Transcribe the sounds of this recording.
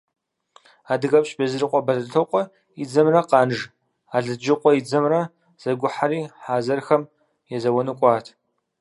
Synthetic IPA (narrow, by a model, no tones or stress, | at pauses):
aːdɨɣɐpɕʼbɐzɨrɨqʷʼɔbɐɮɨɬʰɨqʷʼɔ | id͡zɐmrɐqɑːnʒ | aːɮɨd͡ʒɪqʷʼɔjid͡zɐmrɐ | z̥ɐɡʷʊħaɾiːħaːzɐrxɐm | jɛzɐwɐnɨkʷʼɑːtʰ